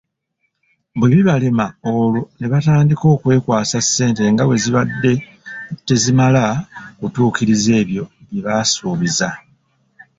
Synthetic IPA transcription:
bweβiβalemaolone̞βataːndiko̞ːkwe̞ːkwaːsasːe̞ːnte̞ŋɡawe̞ziβadːe̞ | te̞zimalakutuːkiɾize̞ːβjo̞βiβasuːβiza

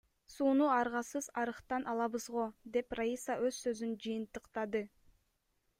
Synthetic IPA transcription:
suːnuɑɾʁɑsɯzɑɾɯqt̪ɑnʔɑlˠɑβɯzʁo̞d̪e̞praisaʔøzsø̞zynd͡ʒɯjɯnt̪ɯqt̪ɑd̪ɯ

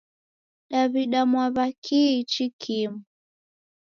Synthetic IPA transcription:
ɗaβiɗamwaβakʰit͡ʃikʰimu

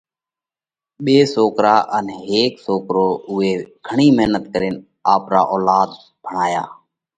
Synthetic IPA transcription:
ɓeːsoːkɾaːʔənɦeːksoːkɾoːʊeːɡ̥ʱəɳiːməɦnət̪kəɾɪːn | aːpɾa̰ːʔoːlaːd̪ | b̥ʱəɳaːja̰ː

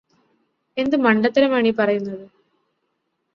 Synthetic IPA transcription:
e̞nd̪ɨmɐɳɖɐt̪ːɐɾɐmaːɳipɐrɐjunːɐðɨ

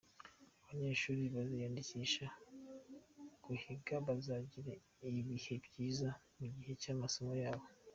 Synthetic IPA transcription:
aβaɲe̞ːʃuːɾiβazijaːndiciʃa | ɡ̥uhiɡaβazaɟiɾe | iβihe̞bɟiːza | muɟihe̞caːmaso̞mo̞jaːβo̞

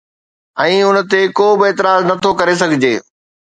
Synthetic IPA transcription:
ɛ̃ːʊnt̪ekoːbɪeːt̪ɪɾaːznɐt̪ʰokɐɾes̬ɐɡʱɪd͡ʑeː

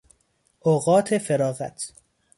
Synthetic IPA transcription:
ʔoɣɒːt̪ʰefeɾɒːɣæ̰t̪ʰ

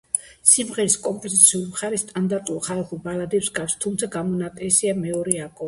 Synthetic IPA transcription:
simʁɛɾiskʼɔmpʼɔzit̪sʰiulimχaɾist̪ʼand̪aɾt̪ʼulχalχulbalad̪ɛpsɡafst̪ʰumt̪sʰaɡamɔnat̪ʼɛsiamɛɔɾɛakʼɔ

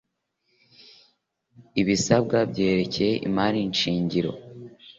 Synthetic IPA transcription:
iβisab̚ɡabɟe̞ːɾe̞cejeʔḭmaɾinʃiːɲɟiɾo̞̰

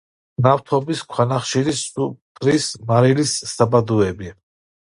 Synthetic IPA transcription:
naft̪ʰɔbiskʰwanaχʃiɾisupʰɾismaɾilisːabad̪uɛbi

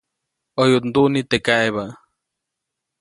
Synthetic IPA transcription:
ojut̪nd̪uʔnit̪ekaʔeβa

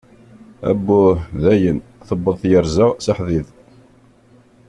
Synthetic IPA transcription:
æ̰bːuðæjənθəbːəðˤθjəɾzəʁsəħðið

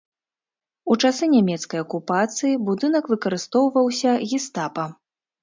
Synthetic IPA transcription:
ut͡ʂasɨnʲamʲɛt̪skɐjɐkupat̪sɨjibud̪ɨnɐkvɨkɐɾɨst̪ɔwvɐwsʲɐɣʲist̪apɐ

